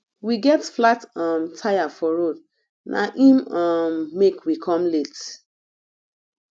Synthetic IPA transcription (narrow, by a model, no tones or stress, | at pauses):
wiɡɛtflatɔmtʰajafɔɹod | nʔa̰ʔĩmɔmːekwikʰɔ̃mlet